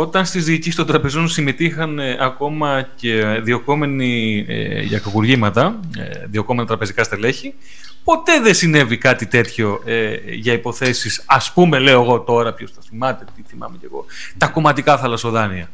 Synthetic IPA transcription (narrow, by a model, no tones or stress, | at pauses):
o̞t̪ɐnst̪izðiːcist̪ond̪ɾɐpe̞zo̞nsimet̪ixɐneʔɐko̞mɐceðio̞ko̞me̞niḛʝɐ̰kɐkuɾʝimɐt̪ɐ | ðio̞komenɐt̪ɾɐpe̞zikɐst̪eleçi | po̞t̪e̞ðesine̞vikɐt̪it̪e̞t̪ço̞eʝɐipo̞θe̞sisɐspume̞le̞o̞eɣo̞t̪o̞ɾɐpço̞sθɐθimɐt̪e̞t̪iθimɐ̰mece̞ɣo̞̰ | t̪ɐko̞mɐt̪ikɐθɐlɐsoðɐniɐ